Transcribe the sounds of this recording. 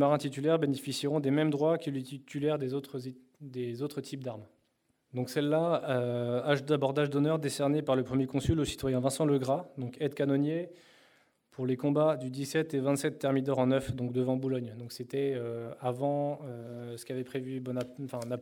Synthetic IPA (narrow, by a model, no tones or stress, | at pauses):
maʁɛ̃t̪it̪ylɛʁbenefisiʁɔ̃d̪emɛmd̪ʁwakəliit̪ylɛʁd̪ezot̪χ | d̪ezot̪χət̪ʰip̚d̪aʁm | d̪ɔ̃ksɛlːaøaʒd̪abɔʁd̪aʒd̪ɔnœʁd̪esɛʁnepaʁləpχəmjekɔ̃sylosi̥t̪wajɛ̃vɛ̃sɑ̃ləɡʁad̪ɔ̃kɛd̪kanɔnje | pʰuʁlekɔ̃bad̪yd̪isɛt̪evɛ̃t̪sɛt̪ːɛʁmid̪œʁɑ̃nœfd̪ɔ̃kd̪əvɑ̃bulɔɲd̪ɔ̃kset̪ɛøavɑ̃øsə̥kʲavɛpχevybɔnãfɛ̃na